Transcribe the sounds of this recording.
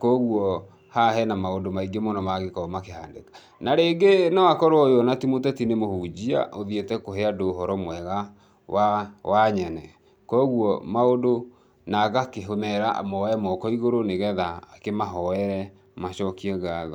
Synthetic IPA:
kɔɣuɔ | haɦɛnamaondomaiɡemonɔmaɣekɔmakehaːndekḁ | naɾeːɡenɔakɔɾoɔjɔnatimotɛtinemohud͡ʑia̰ʔoðietɛkoɦeadoːɦɔɾɔmwɛɣa | wawaɲɛnɛ | kɔɣuɔmaodo | naɣakeɦomɛɾa̰mɔɛmɔkɔiɣoɾoneɣɛðaːkemaɦɔɛɾɛ | maɕɔkiɛɡaɣɔ

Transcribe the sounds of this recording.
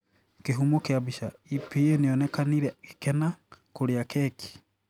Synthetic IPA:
keɦumokeaβiʃaipieneonɛkaniɾɛke̥kɛnakoɾeakɛkʰi̥

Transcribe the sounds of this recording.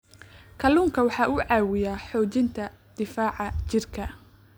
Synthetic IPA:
kʰɐluːŋkʰɐwɑħɑːʔʊʕɑːwɪjaːħɔːt͡ʃɪnt̪ʰɐd̪̥ɪfaːʕɑt͡ʃɪrkʰɐ

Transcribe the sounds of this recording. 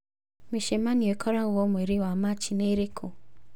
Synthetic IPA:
meʃemaniɔekʰɔɾauwɔmweɾiwamat͡ʃineɾekʰo

